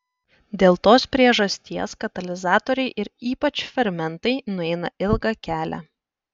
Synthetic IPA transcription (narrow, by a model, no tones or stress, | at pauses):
d̪ʲeːlˠt̪oːspʲɾʲiɛʒɐsʲt̪ʲiɛskɐt̪ɐlʲɪzɑːt̪ɔɾʲɛɪʔɪɾiːpɐt͡ʃfʲɛɾʲmʲɛnt̪ɐɪnʊɛɪnɐɪlˠɡɐkʲæːlʲæ̰